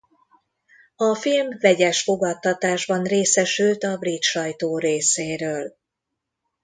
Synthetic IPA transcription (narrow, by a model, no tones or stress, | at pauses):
ɒfilmvɛɟɛʃfo̞ɡɒt̪ːɒt̪aːʒbɒnreːsɛʃylt̪ɒbrit̪ʃɒjt̪oːɾeːseːɾøːl